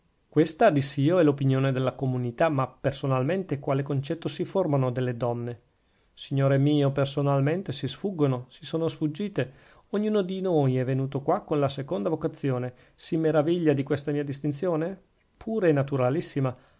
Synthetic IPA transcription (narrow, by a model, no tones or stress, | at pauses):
kwest̪ad̪isːiːoɛlopinjoːned̪elːakomunit̪amapːersonalment̪ekwaːlekont͡ʃɛt̪ːosiformanod̪elːed̪ɔnːe | siɲːoːɾemiːopersonalment̪esisfuɡːonosi̥soːnosfud͡ʒːiːt̪e | oɲːuːnod̪inoːjɛvːenuːt̪okwakːonlasekond̪avokat̪sːjoːne | simeɾaviʎːad̪ikwest̪amiːad̪ist̪int̪sjoːne | pʰuːɾenat̪uɾalisːima